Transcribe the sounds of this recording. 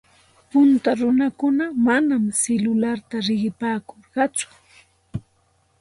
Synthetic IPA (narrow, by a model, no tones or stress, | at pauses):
pʊnt̪aɾʊnakʊnamanamselʊlaɾt̪aɾɪɢɪpaːkoɾɢɑt͡sʊ̥